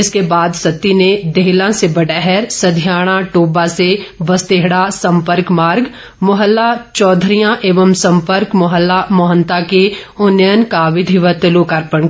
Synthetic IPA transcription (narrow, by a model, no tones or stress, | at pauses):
ɪskebaːd̪sɐt̪ːined̪eɦlãsebɐɖɛɦɛɾsɐd̪ʱijaːɽ̃ãʈoːbaseʋɐst̪eːɦɽasɐ̃mpəɾkmaːɾɡ | mʊɦəlːat͡ʃɔːd̪ʱɾijãʔeːʋəmsɐ̃mpəɾkmʊɦəlːamɔɦənt̪akeʊnjənkaʋɪd̪ʱiʋət̪ɪlukaɾpəɳ